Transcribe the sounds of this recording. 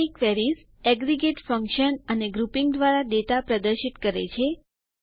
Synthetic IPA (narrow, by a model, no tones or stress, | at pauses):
ikʋɛɾis | ɛɡɾiɡeʈfəŋkʃənəneɡɾupiŋɡd̪ʋaɾad̪et̪apɾəd̪əɾʃit̪kəɾḛt͡ʃʰe